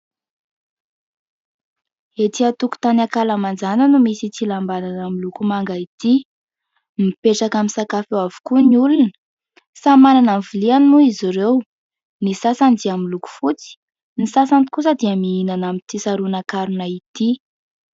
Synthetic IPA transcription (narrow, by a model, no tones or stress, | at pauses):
et̪iat̪uku̥t̪anakalamand͡zananumisit͡silambananamilukumaŋɡait̪i | mipeʈ͡ʂakamisakafewavu̥kuniulunə̥ | samananamvilianmuiziɾew | nisasand͡z̪iamiluku̥fut͡si̥ | nisasanikusəd̪iəmiinanamit̪isaɾunakaɾunait̪i